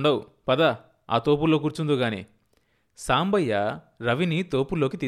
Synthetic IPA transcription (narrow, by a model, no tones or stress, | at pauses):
ɳɖɐw | pɐd̪ɐ | a̰ːt̪oːp̬ulːoːk̬uːɾt͡ʃund̪uɡaːnḭː | saːmbɐjːa | ɾɐʋinit̪oːpulːo̞ːkit̪iː